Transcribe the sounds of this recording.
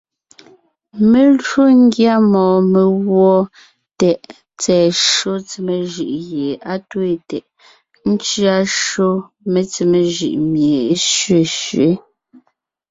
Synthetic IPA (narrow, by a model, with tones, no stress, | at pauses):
me˨lo˦ŋ˦ɡja˦mɔː˨me˨ɣwɔ˦ | tɛ˨ʔ | t͡sɛː˨ʃo˦t͡se˨me˨ʒɯ˨ʔɣje˨a˦twe˦˨tɛ˨ʔ | n̩˦t͡ʃɥa˦ʃo˦ | me˨t͡se˨me˨ʒʉ̰˨ʔmje˨e˦ʃɥe˨ʃɥe˦